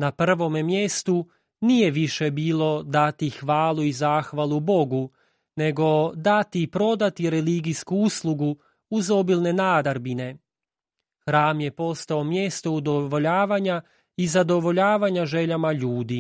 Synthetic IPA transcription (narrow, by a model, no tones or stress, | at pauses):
napr̩ʋo̞memjest̪u | nije̞ʋiʃe̞biːlˠo̞d̪at̪ixʋaːlˠuizaːxʋalˠubo̞ɡu | ne̞ɡo̞d̪at̪ipɾo̞d̪at̪iɾeliɡiskuuslˠuɡu | uzo̞bilne̞naːd̪aɾbine̞ | xɾaːmje̞po̞st̪aomje̞st̪o̞ud̪oʋo̞ʎaːʋaɲa | izad̪o̞ʋoʎaːʋaɲaʒe̞ʎamaʎuːd̪i